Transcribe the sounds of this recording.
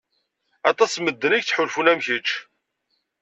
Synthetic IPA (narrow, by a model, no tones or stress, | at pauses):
ɑt̪ˤɑsməd̪ːəniçt͡sħʊlfunæmçət͡ʃː